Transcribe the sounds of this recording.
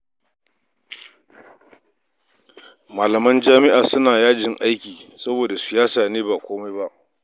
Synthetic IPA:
maː˨lɐ˨mɐ˦nd͡ʒaː˦mɪ˦ʔaː˨sʊ˦naː˨jaː˦d͡ʒɪ˨ŋʔa˦jkʲiː˨sɐ˦boː˨da˨sɪ˨jaː˦saː˨neː˦ba˨kʷoː˦ma˦jba˦ʔ

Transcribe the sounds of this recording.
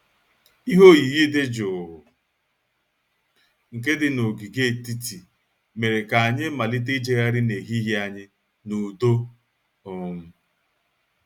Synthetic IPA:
i˦ɦo˦ji˨ɣi˦dɪ˦d͡ʒʊ˨ | ŋ̩˨k̬e˦dɪ˨no˨ɡi˨ɡe˦˨ti˦ti˨ | me˨ɾe˨ka˨a˨ɲɪ˦ma˨lɪ˦t̬e˦d͡ʒe˦ɣa˦ɾɪ˦ne˨ɦi˦ɦe˦a˦ɲɪ˦ | nu˨do˦ | ʊ˨m̩˦

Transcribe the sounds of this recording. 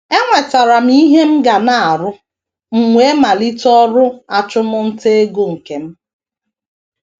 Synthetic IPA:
e˦ŋʷa˨ta˨ɾa˨m̩˦i˦ɦe˦m̩˦ɡa˨na˨a˨ɾʊ˦ | ŋ͡m̩˨ŋʷe˦e˦ma˨li˦tɔ˦ɾʊ˦a˨t͡ʃʊ˦mʊ˦n̩˦te˦ɡo˦ŋ̩˨ke˨m̩˦

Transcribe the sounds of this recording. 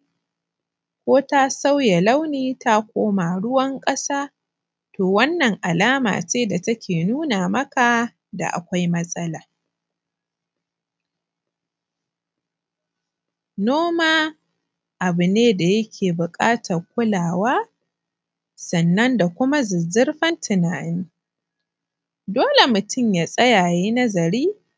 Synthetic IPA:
kʷoː˦ta˦sa˦wja˨la˦wniː˦ta˦kʷoː˦maː˨ɽʊ˦wɐ˦ŋkʼɐ˦saː˦ | toː˨wɐ˦nːɐ˨ŋʔa˨laː˦ma̰ː˨t͡ʃeː˦da˨tɐ˦kʲʰeː˨nuː˦na˨mɐ˦ka˨ | da̰˨ʔa̰˨kʷa˦jmɐ˦sʼɐ˦laː˨ | noː˦maː˦ | ʔa˨bʊ˨neː˦da˨jɐ˦kʲʰeː˨bʊ˨kʼaː˦tʰɐ˨rkʷʊ˦laː˨waː˦ | sɐ˨nːɐ˦nda˨kʷʊ˦ma˦zɪ˨zɪ˦rɸɐ˦ntʰɪ˨naː˨ni˦ | doː˦le˨mʊ˨tʊ˦˨mjaː˨sʼɐ˦jaː˨jiː˦nɐ˦zɐ˨ɾiː˦

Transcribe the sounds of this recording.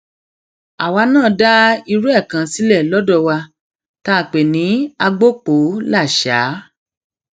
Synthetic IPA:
a˨wa˧˦nãː˦˨da˦i˧ɾu˦ɛ˦˨kã˨si˨˦lɛ˦˨lɔ˦dɔ˧˨wa˧ | ta˧˦˨k͡pe˨nĩ˨˦a˧ɡ͡bo˦k͡po˨˦la˦˨ʃaː˨˦

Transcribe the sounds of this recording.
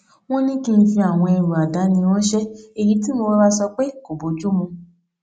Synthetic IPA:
w̃ɔ̃˦nĩ˦kĩ˧n̩˧fĩ˧a˨w̃ɔ̃˧ɛ˧˨ɾu˨a˨da˨˦nĩ˧w̃ɔ̃˦ʃɛ˦e˨ji˨˦ti˦mo˧˦ba˦sɔ˧k͡pe˦ko˨bo˨˦d͡ʒu˦mũ˧

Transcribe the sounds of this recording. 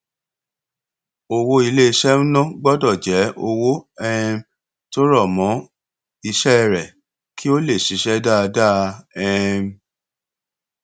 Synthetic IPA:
o˧wo˦i˧le˦i˧ʃɛ˦m̩˦nɔ̃˦ɡ͡bɔ˦dɔ˦˨d͡ʒɛ˨˦o˧wo˦ɛ˦˧m | to˦ɾɔ˦˨mɔ̃˨˦ | i˧ʃɛ˦˨ɾɛ˨ | kʰi˦o˦le˦˨ʃi˨˦ʃɛ˦da˦˧da˦˨ɛ˦˧m

